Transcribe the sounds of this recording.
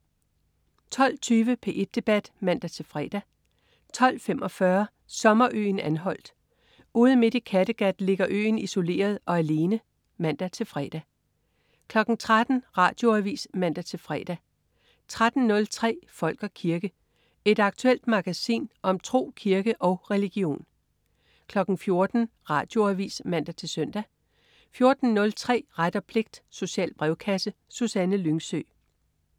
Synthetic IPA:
t͡sʰɒ̽l̰t͡sʰyːʋəpʰe̝ʔe̝d̥̚ːe̝b̥æd̥mæn̰d̥æt͡sʰe̝lfʁɛ̰ːd̥æ | t͡sʰɒ̽l̰femʔɒ̽fɶɐ | sɒ̽mɐʔø̰ːnænɦɒ̽l̰d̥ | uːð̞ˠənme̝d̥ikʰæd̥əɡ̥æd̥le̝ɡ̥ɐʔø̰ːniso̝le̝̰ːɐð̞ˠɒ̽æle̝ːnə | mæn̰d̥æt͡sʰe̝lfʁɛːd̥æ | kʰlɒ̽ɡ̥n̩t͡sʰʁad̥n̩ʁɑ̈ːd̥jo̝æʋḭːsmæn̰d̥æt͡sʰe̝lfʁɛːd̥æ | t͡sʰʁad̥n̩nlt͡sʰʁɛ̰ːfɒ̽l̰ɡ̥ɒkʰiɐɡ̥ə | e̝d̥ɑ̈ɡ̥̚t͡sʰuel̰d̥mɑ̈ɡ̥æsḭːnʔɒ̽mt͡sʰʁo̝̰ːkʰiɐɡ̥əʔɒ̽ʊʁɛliɡ̥io̝̰ːn | kʰlɒ̽ɡ̥n̩fjo̝ɐd̥n̩ʁɑ̈ːd̥jo̝æʋḭːsmæn̰d̥æt͡sʰe̝sœn̰d̥æ | fjo̝ɐd̥n̩nɔ̽lt͡sʰʁɛ̰ːʁad̥ɐpʰle̝ɡ̥̚d̥so̝ɕɛ̰ːlb̥ʁɛʊkʰæsəsusænəlyŋsø̰ː

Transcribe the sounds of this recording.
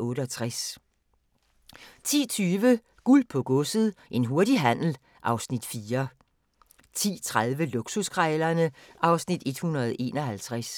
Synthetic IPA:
ɔ̽ːɾəɒt͡sʰʁas | t͡sʰḭːt͡sʰyːʋə | ɡ̥ulpʰɔ̽ɡ̥ɔ̽sð̩ˠʔe̝nɦo̝ɐdiɦæn̰l̩ | ʔɑ̈ʊsnid̥fiːɐ | t͡sʰḭːt͡sʰʁað̞ˠʋəluɡ̥suskʰʁɛlɐnəʔɑ̈ʊsnid̥e̝d̥hunɐðˠe̝ːnɒ̽hælt͡sʰʁas

